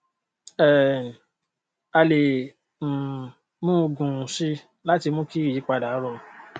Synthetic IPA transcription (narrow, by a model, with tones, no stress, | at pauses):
ɛ˨ | a˧lẽ˨ | mũ˦o˧ɡũ˨si˦ | la˦ti˧mũ˦ki˦i˦˨ji˨˦k͡pa˧da˨˦ɾɔ˧